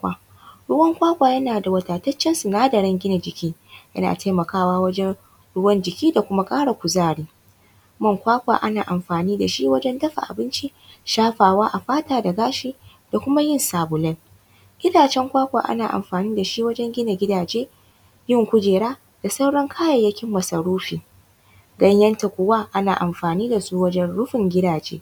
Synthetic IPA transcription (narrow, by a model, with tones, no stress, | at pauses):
kʷa˨ | ɽʊ˦wɐ˦ŋkʷaː˦kʷaː˨jɐ˦naː˨da˨wɐ˨taː˨tɐ˦t͡ʃːɛ˦nsu˨naː˦dɐ˨ɽɛ˦ŋɡʲɪ˦na˨d͡ʒɪ˨kʲiː˦jɐ̰˦na̰ː˨ta˦jmɐ˨kaː˦waː˦wɐ˦d͡ʒɛ˦n | ɽʊ˦wɐ˦nd͡ʒɪ˨kʲiː˦da˨kʷʊ˦ma˦kʼaː˦ɽa˨kʷʊ˨zaː˦˨ɽiː˦ | mɐ˦˨ŋkʷaː˦kʷa̰ː˨ʔa˦naː˨ʔa˨mɸaː˨niː˦da˨ʃi˦wɐ˦d͡ʒɛ˦ndɐ˦ɸa̰˨ʔa̰˨bɪ˦nt͡ʃi˦ | ʃaː˦ɸaː˨waː˦ʔa˨ɸaː˦taː˦da˨ɡaː˦ʃiː˦ | d̥a˨kʷʊ˦ma˦jɪ˦˨nsaː˨bʊ˨lɐ˦n | ɡ̥ʲɪ˦daː˨t͡ʃɛ˦ŋkʷaː˦kʷa̰ː˨ʔa̰˦naː˨ʔa̰˨mɸaː˨niː˦da˨ʃi˦wɐ˦d͡ʒɛ˦ŋɡʲɪ˦na˨ɡʲɪ˦daː˨d͡ʒeː˦ | jɪ˦ŋkʷʊ˦d͡ʒeː˨ɽaː˦ | d̥a˨sɐ˦wɽɐ˦ŋkʰaː˦jɐ˨jːɐ˦kʲɪ˦mːɐ˨sɐ˨ɽuː˦ɸiː˨ | ɡɐ˦ɲjɐ˦nta˨kʷʊ˨waː˦ʔa˦naː˨ʔa˨mɸaː˨niː˦da˨suː˦wɐ˦d͡ʒɛ˦nɽʊ˦ɸɪ˨ŋɡʲɪ˦daː˨d͡ʒḛː˦